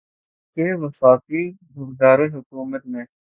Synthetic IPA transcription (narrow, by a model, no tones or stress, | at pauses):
keʋəfaːkiɡʱʊɾd̪aːɾeɦʊkuːmət̪mẽ